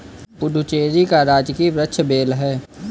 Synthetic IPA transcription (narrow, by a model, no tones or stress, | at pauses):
pʊd̪ʱʊt͡ʃeːd͡ʒikaɾaːd͡ʒkiʋɾətːʃʰbeːlɦɛː